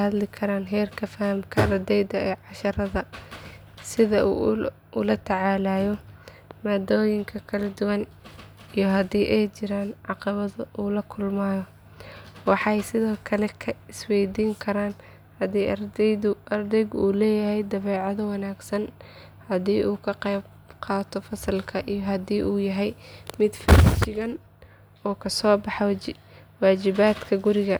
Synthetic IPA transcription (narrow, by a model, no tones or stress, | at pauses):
hɐd̪lɪkʰɐɾaːnɦɛːrkʰɐfɐhɐmkʰɐrd̪ɛjd̪ɐɛːʕɑʃɐɾɐðɐ | sɪðɐʔṵː | ʔʊlɐt̪ʰɐʕɑːlaːjɔ | mɐd̪ɔːjɪŋkʰɐkʰɐlɛd̪ʊwɐn | ijɞɦɐd̪iːʔɛjt͡ʃɪɾaːnʕɑqɑβɐðɐʔuːlɐkʰʊlmaːjɔ | wɑħɑjsɪðɔːkʰɐlɛkʰɐɪswɛjd̪iːŋkʰɐɾaːn | hɐðiːʔɐrd̪ɛjðʊʔɐrd̪ɛjɣuːlɛːjɐhɛjd̪ɐβɛːʕɑðɐwɑnaːɡsɐn | hɐðiːʔuːkʰɐqɛjb | qɑːt̪ʰɔfɐsɐlkʰɐʔijɔɦɐðiːʔuːjɐɦɛjmɪd̪fɪt͡ʃɪɣɐn | ɔːkʰɐsɔːbɑħɔ | waːt͡ʃɪβaːd̪kʰɐɡʊɾɪɣɐ